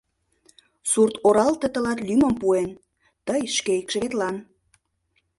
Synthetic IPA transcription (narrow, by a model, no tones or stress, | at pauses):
surt̪oɾɑlt̪ət̪ə̆lɑt̪lymə̆mpuen | t̪əjʃkeikʃə̆βet̪lɑn